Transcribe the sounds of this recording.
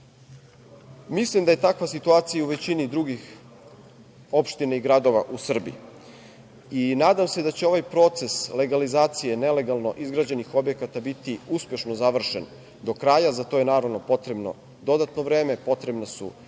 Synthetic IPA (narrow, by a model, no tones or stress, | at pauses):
mislimd̪aje̞t̪akʋasit̪uaːt̪sijauʋe̞t͡ɕinid̪ɾuɡix | o̞pʃt̪inaiɡɾad̪o̞ʋa̰ʔusr̩bi | inaːd̪amse̞d̪at͡ɕeo̞ʋajpɾo̞t̪se̞sle̞ɡalizaːt̪sije̞ne̞le̞ɡalˠno̞ʔizɡɾad͡ʑe̞nixo̞bje̞kat̪abit̪iuspje̞ʃnozaʋr̩ʃen | d̪o̞kɾajazat̪ojenaːɾaʋnopo̞t̪ɾe̞bno̰ | d̪o̞d̪at̪no̞ʋɾe̞ːme̞po̞t̪ɾebnasṵ